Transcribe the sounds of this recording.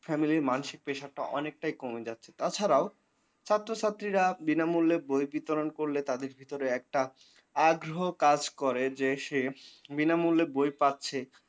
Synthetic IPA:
fɛmiliɾmanʃik̚peʃaɾʈaʔɔnek̚ʈajkomed͡ʑatːɕʰe̥t̪at͡ɕʰaɾao | t͡ɕʰat̪ːɾoʃat̪ːɾiɾabinamulːebojbit̪oɾonkoɾlet̪ad̪eɾbʱit̪oɾeɛk̚ʈa | aɡɾoɦokad͡ʑkoɾed͡ʑeʃebinamulːebojpatːɕʰe

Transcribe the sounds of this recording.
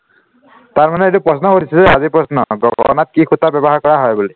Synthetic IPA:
t̪aɹmanɛetupɹɔsnɔkoɾisʰizazipɹɔsnɔɡɔɔ̰nat̪̚kikʰut̪abjɔbɔɦaɹkɔɹaɦɔjbule

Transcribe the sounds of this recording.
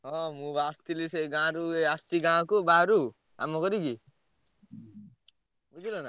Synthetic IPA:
ʌ̃mubast̪ilisʌɡãɾueast̪iɡãkobaɾu | a̰mʌkʌɾiɡi | bud͡zilona

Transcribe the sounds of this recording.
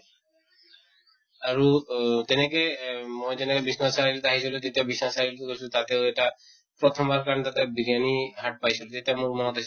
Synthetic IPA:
aɹut̪ɛnɛkɛmojzɛnɛkɛbisnasaɹilt̪aɦisilut̪et̪iabisnasaɹiltekojsut̪at̪eʊɛʈa | pɹɔt̪ʰɔmbaɹkaɔnet̪at̪ɛbiɾijaniɦaʈ̚pajsilut̪et̪iamuɹmɔnɔt̪ais

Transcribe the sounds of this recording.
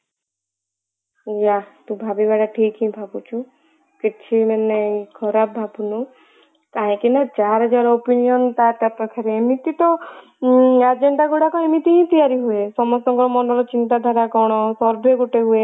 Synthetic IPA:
jat̪ũbʱabibaɽaʈʰikĩbʱabut͡ʃʰu | kit͡ʃʰinenɛĩkʰɔɾabʱabunu | kaɦĩkinat͡ʃaɾɔd͡ʒaɾopinijɔnt̪at̪at̪ɔkʰaɾeemit̪it̪ɔ | ad͡ʒeɳɖaɡuɽakɔemit̪iĩt̪ijaɾiɦuesɔmɔst̪ɔkɔɾɔmɔnɔɾɔt͡ʃint̪ad̪ʱaɾakɔɽ̃ɔsɔɾbʱeɡoʈeɦue

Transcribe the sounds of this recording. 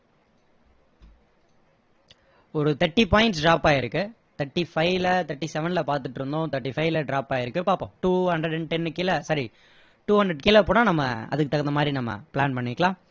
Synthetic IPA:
ɔɾɯt̪ɐʈːipaːɪ̃ɳʈsɖɾaːpaːɪɾɯkːɯ | t̪ɐʈːifɐɪlɐt̪ɐʈːisɛʋɛnlɐpaːɾt̪ɯʈːɾɯnd̪õːt̪ɐʈːifɐɪlɐɖɾaːpaːɪɾɯkːɯpaːɾpːõ̰ːʈuːhɐnɖɾɛɽɛɳʈɛnːkɪlɐsɐɾi | ʈuːɦɐnd̪ɾɛɖ̚kɪlɐpoːnaːnɐmːɐ̰ɐ̰ðɯkːɯt̪ɐkːɣɐnd̪ɐmaːd̪ɾinɐmːɐ̰plaːnpɐɳːɪkːɐlãː

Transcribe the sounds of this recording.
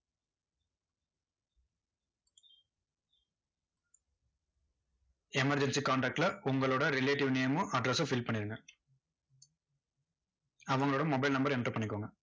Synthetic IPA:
emɐɾd͡ʒensiːkaːɳʈaːk̚ʈlɐuŋɡɐloːɽɐɾileːʈiʋnijɐmuʔɐɖɾɐsofilpɐɳed̪ɐŋɡɐ | ɐʋɐŋloːɽɐmːobɐjlnɐmbɐɾenʈoːpɐnikoʋŋɡɐ

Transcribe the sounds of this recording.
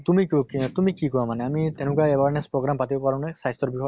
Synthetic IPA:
t̪umikokit̪umikikɔɹamanɛamit̪ɛnʊ̃k̬aɛbaɹnɛspɹɔɡɹampatibopaɹãʊ̃nɛsajstɔɹbixɔ

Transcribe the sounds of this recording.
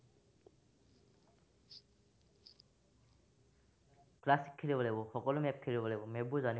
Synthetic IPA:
klasi̥kʰːilibɔlɛbɔxɔkɔlʊmɛp̚kʰeɹibɔlɛbɔmɛbuzani

